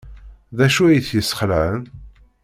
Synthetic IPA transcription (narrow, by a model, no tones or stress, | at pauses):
ðæʃuæjəθjəsːχlʕən